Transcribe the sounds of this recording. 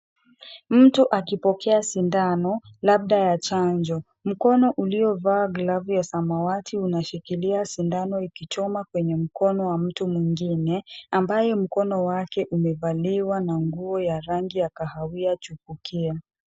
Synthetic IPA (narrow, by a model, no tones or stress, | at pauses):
m̩tuʔakipɔkɛasindanɔ | lab̚ɗajat͡ʃaɲd͡ʒɔ | m̩kɔnɔʔuliɔvaːɡlavujasamawatʰiunaʃikiliasindanɔikit͡ʃɔmakwɛɲɛm̩kɔnɔwam̩tumwiŋɡinɛambajɛm̩kɔnɔwakɛʔumɛvaliwanaŋɡuɔjaɾaŋɡijakahawiat͡ʃupukʰia